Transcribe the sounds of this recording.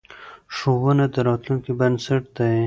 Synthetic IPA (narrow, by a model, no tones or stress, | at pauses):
ʂowənad̪əɾɑt̪lunkibənsəʈ̚d̪aj